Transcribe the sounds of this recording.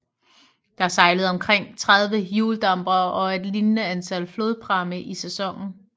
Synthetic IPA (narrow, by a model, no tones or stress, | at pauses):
d̥ɑ̈æɐsɑ̈ɪləð̞̩ˠɒ̽mkʰʁeŋ̰t͡sʰʁaðˠʋəjuːld̥ɑ̈mb̥ɐɒ̽e̝d̥linnəænt͡sʰæl̰flo̝ːðˠpʰʁɑ̈məʔisesɒ̽ŋ̰n̩